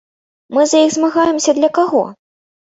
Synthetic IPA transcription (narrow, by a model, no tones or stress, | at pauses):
mɨzɐjiɣzmaɣajɛmsʲɐd̪lʲɐkaɣɔ̰